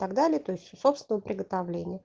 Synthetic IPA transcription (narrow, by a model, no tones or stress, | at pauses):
t̪aɡd̪alʲɪət̪oɪsʲtʲso̞psʲɪnəvəpɾʲɪɡət̪avlʲenʲɪjə